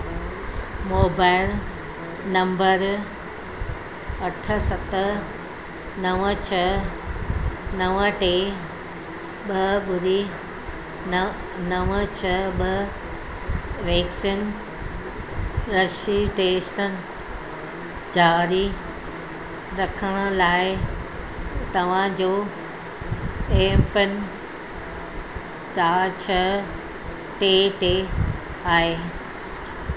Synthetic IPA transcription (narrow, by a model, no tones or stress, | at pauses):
moːbajl | nɐmbɐɾ | ɐʈʰɐsɐt̪ːɐ | nɐʋɐt͡ʃʰɐ | nɐʋɐ̃ʈeː | bɐbuɾi | n | nɐʋɐt͡ʃʰɐbɐ | ʋeksin | ɾɐʃiʈeːsʈənɪ̆ | d͡ʑaːɾi | ɾɐkʰəɽ̃ʊ̆laːɪ | t̪ɐʋ̤ãd͡ʑoː | eːpənɪ | t͡ɕaːɾt͡ɕʰə | ʈeːʈe | aːɦeː